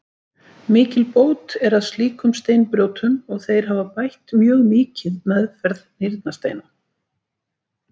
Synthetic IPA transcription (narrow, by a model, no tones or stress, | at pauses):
mɪːcɪlpoːwt̪ɛɾaðst̪liːkʏmst̪eːjnpɾjoːwt̪ʰʏnɔɣθejɾ̥ɦavapajht̪mjœːɣmɪːcɪðmɛðfɛɾðnɪɾt̪nast̪ḛjna